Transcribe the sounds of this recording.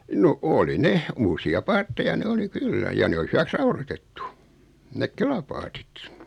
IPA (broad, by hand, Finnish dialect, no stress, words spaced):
no oli ne uːsiɑ pɑːtːejɑ ne oli kylːæ jɑ ne oli hyʋæks rɑurotetːu nek kelɑpɑːtit